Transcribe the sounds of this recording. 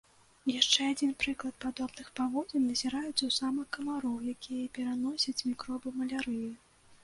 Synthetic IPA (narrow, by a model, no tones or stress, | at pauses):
jaʂt͡ʂɛad͡zʲinpɾɨklˠɐt̪̚pad̪ɔbnɨxpavɔd͡zʲɛnnɐzʲɛɾajut͡s̪ʲɐwsamɨkːɐmaɾɔwjakʲijɐipʲɛɾanɔsʲɐt͡sʲmʲikɾɔbɨmɐlʲaɾɨji